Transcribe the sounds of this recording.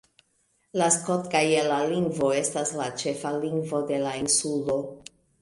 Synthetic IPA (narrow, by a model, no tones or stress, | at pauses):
laskotkajelaliŋɡvo̞e̞staslat͡ʃe̞faliŋɡvo̞de̞lainsulo̞